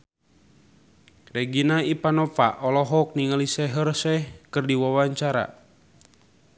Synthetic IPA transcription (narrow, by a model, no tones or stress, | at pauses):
rɛɡinaipanɔpa̰ʔɔlɔɦɔk̚niŋəlisɛɦərsɛhkɨrdiwawaɲt͡ʃaɾa̰